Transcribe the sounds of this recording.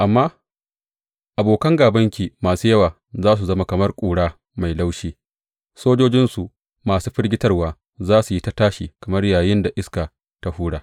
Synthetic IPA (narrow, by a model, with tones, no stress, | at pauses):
ʔa˨mːaː˦ | ʔa˨boː˨kɐ˦ŋɡaː˨bɐ˦ŋkʲiː˨maː˨suː˦jɐ˦waː˨ | zaː˦s̬u˨zɐ˦ma˦kɐ˨mɐ˦rkʷʼuː˨ɽaː˦ | ma˨jla˦wʃiː˦ | soː˦d͡ʒoː˦d͡ʒɪ˦nsu˨ʔ | maː˨suː˦ɸɪ˦rɡʲɪ˦tɐ˦rwaː˨ | zaː˦su˨ji˦ta˦taː˦ʃiː˨kɐ˨mɐ˦rjaː˨jɪ˦nda˨ʔɪ˦ska˨ | ta˦huː˦ɽaː˨